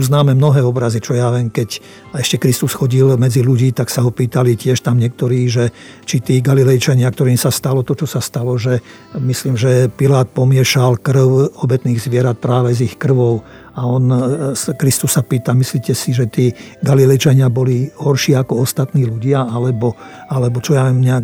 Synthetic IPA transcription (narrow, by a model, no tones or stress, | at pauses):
uznaːmɛmnɔɦɛːɔbɾazit͡ʃɔjaʋɛmkɛc | ɛʃcɛkɾist̪usxɔɟilmɛd͡ziluɟiːt̪aksaɦɔpiːt̪alicɪɛʃt̪amɲɪɛk̚t̪ɔɾiːʒɛ | t͡ʃit̪iːɡalilɛjt͡ʃaɲɪak̚t̪ɔɾiːmsast̪alɔt̪ɔt͡ʃɔsast̪alɔʒɛ | misliːmʒɛpilaːt̪̚pɔmɪɛʃalkr̩ʊɔbɛt̪niːɣzʋɪɛɾat̪̚pɾaːʋɛzixkr̩ʋɔʊ | aɔnskɾist̪usːapiːt̪amisliːcɛsiʒɛt̪iːɡalilɛjt͡ʃaɲɪabɔliɦɔɾʃiːakɔɔst̪at̪niːluɟɪaalɛbɔalɛbɔt͡ʃɔjaʋɛmɲɛak